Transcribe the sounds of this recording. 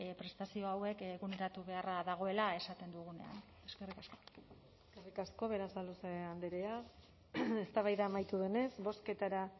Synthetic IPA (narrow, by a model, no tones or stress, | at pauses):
pɾe̞st̪asio̞awe̞keɣune̞ɾat̪uβe̞araðaɣ̞o̞e̞lae̞sat̪e̞nd̪uɣune̞̰a̰n | e̞ske̞rikasko̞̥ | ekerikasko̞βe̞ɾasaloseand̪eɾea | e̞st̪aβajðaːmajt̪uðene̞sbo̞ske̞t̪aɾa